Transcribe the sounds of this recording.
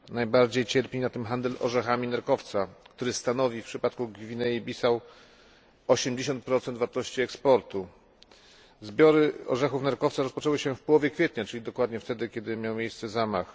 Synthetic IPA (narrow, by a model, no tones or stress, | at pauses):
najbaɾd͡ʑejt͡ɕɛɾpʲinat̪ɘmxand̪ɛlʔɔ̰ʐɛxamʲinɛɾkɔft̪sakt̪uɾɘst̪anɔvʲifpʂɘpat̪̚kuɡvʲinɛjibʲisaw | ɔɕɛmd͡ʑeɕ̬ɔnt̪̚pɾɔt̪sɛnt̪vaɾt̪ɔɕt͡ɕiɛkspɔɾt̪u | zbʲjɔɾɘɔ̰ʐɛxufnaɾkɔft̪saɾɔspɔt͡ʂɛwɘɕɛfpɔwɔvʲjɛkfʲjɛt̪ɲat͡ʂɘlʲid̪ɔkwad̪ɲɛft̪ɛd̪ɘkʲɛd̪ɘmʲjawmʲejst̪sɛzamax